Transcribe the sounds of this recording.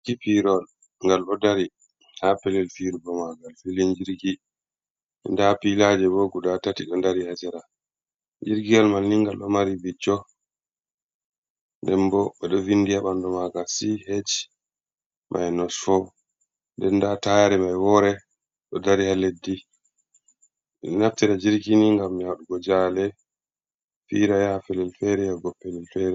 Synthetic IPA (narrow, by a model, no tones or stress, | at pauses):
kipiɾɔl | ŋɡalʔɔdaɾi | hapɛlɛlfiɾbɔmaɡalfiliɲd͡ʒiɾɡi | ɛ̰ndapilad͡ʒɛbɔɡudatatiɗɔndaɾihad͡ʒɛɾa | ɲd͡ʒiɾɡialmalːiŋɡalʔɔmaɾibit͡ʃːɔ | ndɛmbɔɓɛɗɔvinːdijaɓandɔmaɡasihet͡ʃ | mʔa̰jnɔsfɔ | ndɛndatajaɾɛmajwɔɾɛ | ɗɔdaɾihaledːi | naftiɾad͡ʒiɾɡiniŋɡamːiaɗuɡɔd͡ʒalɛ | fiɾajafɛlɛlfɛɾɛjaɡɔpːɛlɛlfɛɾɛ